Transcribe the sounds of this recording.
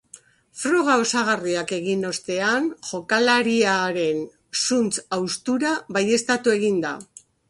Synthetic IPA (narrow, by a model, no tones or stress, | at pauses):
fɾo̞ɣ̞ao̞saɣ̞ariake̞ɣino̞st̪e̞anʝo̞kalaɾiaɾe̞n | sunt͡sawst̪uɾaβaje̞st̪at̪ue̞ɣind̪a̰